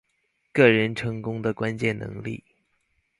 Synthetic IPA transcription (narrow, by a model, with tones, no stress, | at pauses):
kɤ˥˩ɻə˧˥nʈ͡ʂʰɤ˧˥ŋkʊ˥ŋd̪ə˨kwa˥nt͡ɕjɛ˥˩nnɤ̰˧˥ŋlḭ˥˩